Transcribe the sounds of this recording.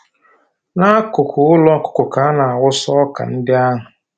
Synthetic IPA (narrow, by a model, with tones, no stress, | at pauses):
na˦kʊ˨kʷʊ˨˦ʊ˦lɔ˦kʊ̥˨kʊ˨ka˨˦a˦na˨a˨wʊ˦sɔ˦ka̰˨n̩˦dɪ˦a˦ɦʊ˨